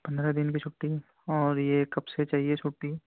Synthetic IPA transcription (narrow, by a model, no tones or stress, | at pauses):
pɐ̃nd̪ɾad̪ɪnkit͡ʃʰʊʈːi | ɔːɾjekɐbset͡ʃaːɦiet͡ʃʰʊʈːi